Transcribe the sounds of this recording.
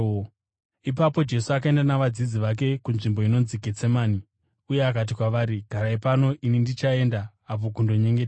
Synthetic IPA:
ipapo̞d͡ʒe̞suak̬ae̞ndanaʋad͡zid͡ziʋak̬e̞kunʐimbo̞ino̞nziket͡semaːni | uje̞akat̬ikwaʋaɾiɡʱaɾaipano̞ʔinindit͡ʃae̞ndaː | p̬o̞kundo̞ɲe̞ŋɡetː

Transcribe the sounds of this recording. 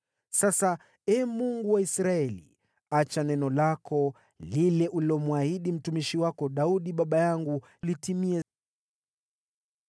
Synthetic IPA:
sasa | ɛmuŋɡuwaisɾaɛlḭ | at͡ʃanɛnɔlakʰɔ | lilɛʔuliɔmuahiɗim̩tumiʃiwakɔɗauɗiɓaɓajaŋɡu | litimiɛ

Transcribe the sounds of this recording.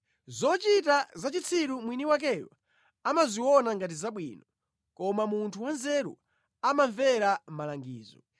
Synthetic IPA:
zɔt͡ʃit̬azat͡ʃit͡sʰiɾumwiniwak̬ɛwa̰ | amaziwɔnaŋɡat̬izaɓwḭːnɔ | kɔmamuntʰuwanzɛɾṵ | amaɱvɛɾam̩malaŋɡḭːzɔ̰

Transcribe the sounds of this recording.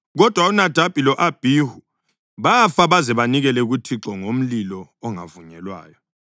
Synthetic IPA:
ɣɔd̥ʱwaunad̥ʱab̥ʼʱilɔʔab̥ʱiːhu | βafaβazɛβaniɣɛlɛɣutʰiǁɔŋom̩lilɔːŋa̰vuɲɛlwa̰ːjɔ

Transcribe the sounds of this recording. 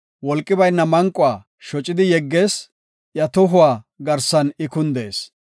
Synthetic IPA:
wɔlkʼːɪbɐjnːɐmɐŋkʼːʊwaː | ʃɔt͡ʃʼːɪd̪ɪjɛɡːe̞ːs | ʔjɐt̪ɔɦʊwaː | ɡɐɾsɐnɪkʊnd̪ḛːs

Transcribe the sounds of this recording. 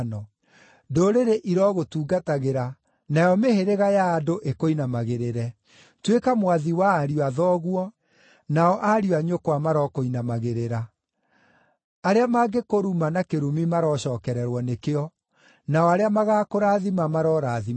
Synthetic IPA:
nɔ | doɾeɾeʔiɾɔɣotuːɡataɣeɾa | najɔmeheɾeɣajaːdoʔekoinamaɣeɾeɾɛ | twekamwaðiwaːɾiwaðɔɣwɔ | naɔʔaɾiwaɲokwamaɾɔkoinamaɣeɾeɾa | aɾeamaɡekoɾumanakeɾumimaɾɔɕɔːkɛɾɛɾwɔnekeɔ | naɔaɾeamaɣaːkoɾaðimamaɾɔːɾaːði

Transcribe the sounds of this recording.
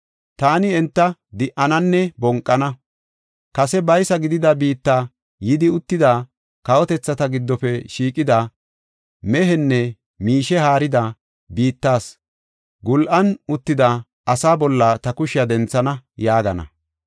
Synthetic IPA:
t̪aːnɪɛnt̪ːɐd̪ɪʔɐnɐnːɛbɔŋkʼːɐnɐ | kɐsɛbɐjsɐɡɪd̪ɪd̪ɐbiːt̪ːaː | jɪd̪ɪʊt̪ːɪd̪aː | kɐwɔt̪ɛt͡sːɐt̪ɐɡɪd̪ːɔfɛʃiːkʼɪd̪ɐ | mɛɦɛnːɛ | miːʃɛhaːɾɪd̪ɐ | biːt̪ːaːs | ɡʊlʔɐnʊt̪ːɪd̪ɐ | ɐsaːbɔlːɐt̪ɐkʊʃɪjɐd̪ɛnt͡sːɐnɐjaːɡɐnɐ̰

